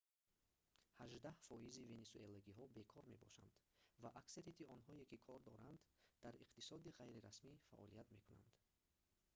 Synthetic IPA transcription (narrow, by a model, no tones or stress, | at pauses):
haʒd̪ahfɔizivenesuelaɡiɦɔbe̞kʰɔɾme̞̰bɔ̰ʃa̰nd̪̥vaʔakseɾit̪ʰiɔnɦɔekikʰɔɾd̪ɔɾand̪d̪̥aɾiqt̪i̥sɔd̪iʁajɾiɾasmifa̰ʔɔ̰liat̪me̞kʰuna̰nd̪̥